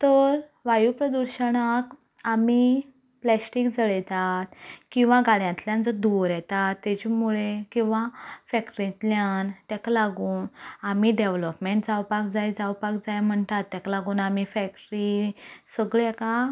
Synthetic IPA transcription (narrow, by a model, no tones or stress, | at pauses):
t̪əɾ | ʋajupɾəd̪uɾɕəɳak | ami | plɛsʈikd͡zəɭɛt̪at̪kĩw̃ʋaɡaɭjãnt̪ljãnd͡zəd̪uʋɾjɛt̪at̪ːɛt͡ɕemuɭekĩw̃ʋafɛkʈəɾĩnt̪ljant̪jakalaɡuːnamiɖeʋləpmeɳʈd͡zawpakd͡zajd͡zawpakd͡zajam̤əɳt̪at̪ːakalaɡuːnamifɛk̚ʈɾisəɡɭeɛka